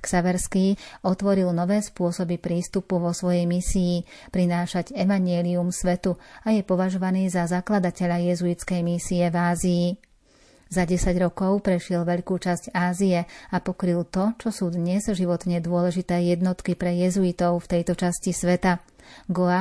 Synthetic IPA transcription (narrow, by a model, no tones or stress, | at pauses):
ksaʋɛɾskiːɔt̪ʋɔɾilnɔʋɛːspʊɔsɔbipɾiːst̪upuʋɔsʋɔjɛjmisiː | pɾinaːʃaɟɛʋaɲɪɛliumsʋɛt̪uajɛpɔʋaʒɔʋaniːzazaklad̪acɛʎajɛzuit͡skɛjmisiɛvaːziː | zaɟɛsaɟɾɔkɔʊpɾɛʃɪɛlʋɛʎkuːt͡ʃasɟaːziɛapɔkɾilt̪ɔt͡ʃɔsuːd̪ɲɛzʒiʋɔt̪ɲɛd̪ʊɔlɛʒit̪ɛːjɛd̪nɔt̪kipɾɛjɛzuit̪ɔʊft̪ɛjt̪ɔt͡ʃascisʋɛt̪a | ɡɔa